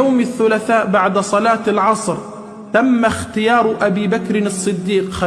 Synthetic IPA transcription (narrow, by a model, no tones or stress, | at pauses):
awmɪθːʊlaθaːʔbaʕd̪sˤɑlɑːt̪lʕɑsˤɾ | t̪amːaxt̪ɪjɑːɾˤʔabiːbakɾɪnɑsˤːɨd̪ːiːqxa